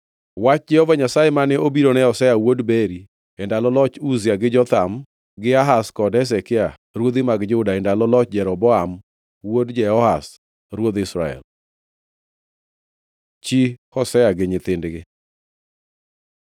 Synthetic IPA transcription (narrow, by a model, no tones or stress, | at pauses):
wat͡ʃ̚d͡ʒɛɔvaɲasajɛmanɛobiɾonɛɔsɛawodbeɾi | ɛndalɔlɔt͡ʃuzaɡɪd͡ʒɔt̪am | ɡɪaɦaskɔdɛs̬ɛkɪa | ɾwod̪imaɡd͡ʒʊdaɛndalɔlɔt͡ʃ̚d͡ʒɛɾɔbɔam | wodd͡ʒɛɔhas | ɾwod̪ɪsɾaɛ̰l | t͡ʃihɔsɛaɡɪɲɪt̪ɪndɡɪ